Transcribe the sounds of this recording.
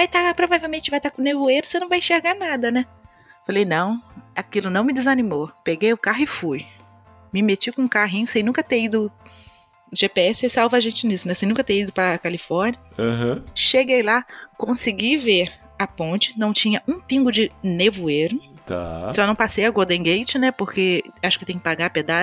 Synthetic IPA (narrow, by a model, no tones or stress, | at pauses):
vajt̪apɾovavewmẽnt͡ʃɪvajt̪aɾkõnevueɾʊsenɐ̃w̃vajẽʃeɾɡaɾnad̪ɐnɛ | falejnɐ̃w̃akilʊnɐ̃w̃mɪd͡ʒɪzanimopeɡejʊkaɦʊɪfuj | mɪmet͡ʃikõũkaɦĩɲʊsẽj̃nũkɐt̪eɾid̪ʊ | ʒepeɛsɪsawvaʒẽnt͡ʃɪnisʊnɛsẽnũkɐt̪eɾid̪ʊpɾɐkalifɔɾniɐaɐ̃ʃeɡejlakõsɪɡiveɾ | apõt͡ʃɪnɐ̃w̃t͡ʃĩɲɐʔũpĩŋɡʊd͡ʒɪnevueɾʊt̪a̰sɔ̃nɐ̃w̃pasejɐɡoɾd̪ẽɡejt͡ʃɪnɛpoɾkeaʃʊ̥kɪt̪ẽj̃kɪ̥paɡaɾped̪a